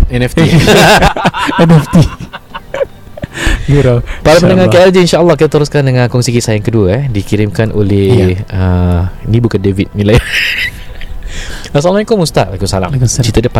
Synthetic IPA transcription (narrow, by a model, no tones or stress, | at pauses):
ɛnɛft̪i | ɛnɛft̪i | ɡəɾapaɾapənəŋaɛɛld͡ʒiinʃaʔəlːɔhkit̪at̪əɾʊskandəŋãnkɔŋsikisajaŋkəduəɛdikiɾimkanʔolɛhəinibukandevit̪̚milaj | asalmãikomust̪aʔaikusala̰ŋt͡ʃit̪ədəpa